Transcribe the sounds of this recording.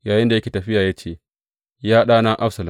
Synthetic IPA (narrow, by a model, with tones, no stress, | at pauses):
jaː˨jɪ˦nda˨jɐ˦kʲeː˨tɐ˨ɸɪ˦jaː˨jaː˦t͡ʃeː˦˨ | jaː˦ɗaː˦naː˦ʔa˦ɸsɐ˨lɐ˨